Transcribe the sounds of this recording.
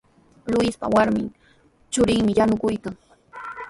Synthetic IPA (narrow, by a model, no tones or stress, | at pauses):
lʊɪspa̰waɾmɪn | t͡ʃʊɾɪŋmɪjanʊkʊjkaŋ